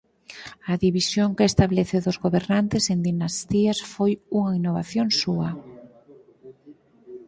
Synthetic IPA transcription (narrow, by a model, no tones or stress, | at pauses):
ɐðiβisjoŋkɪest̪aβleθeðʊzɣoβeɾnant̪ɪsend̪inast̪iasfojuŋainːoβaθjoŋsuɐ